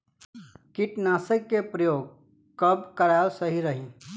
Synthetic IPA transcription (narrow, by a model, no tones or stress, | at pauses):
kiʈnasəkːepɾəjoːɡ | kəbkəɾalsəɦiɾəɦĩ